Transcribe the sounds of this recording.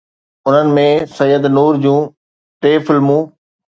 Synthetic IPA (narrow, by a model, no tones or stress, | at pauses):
ʊn̤ənɪ̆mẽsɐjːəd̪nuːɾd͡ʑũː | ʈeːfɪlmũː